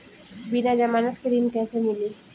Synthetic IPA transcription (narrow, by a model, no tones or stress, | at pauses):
binad͡ʒamanat̪kəɾinkɛsənili